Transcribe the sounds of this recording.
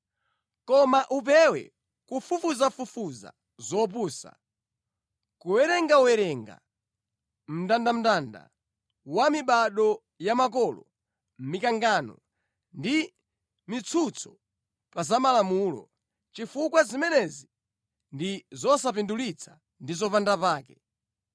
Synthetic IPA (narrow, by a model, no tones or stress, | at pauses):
kɔmaʔup̬ɛwɛ̰ | kufufuzafufuza̰ | zɔp̬uːsa̰ | kuwɛɾɛŋɡauɛɾɛŋɡa̰ | m̩tandam̩tanda̰ | wamiɓaɗɔ | jamak̬ɔlɔ | m̩mikaŋɡanɔ̰ | ndi | mit͡sʰut͡sʰɔ̥ | pazamalamuːlɔ̰ | t͡ʃifukwazimɛnɛzi | ndizɔsapindulit͡sʰḁ | ndizɔpandapaːkɛ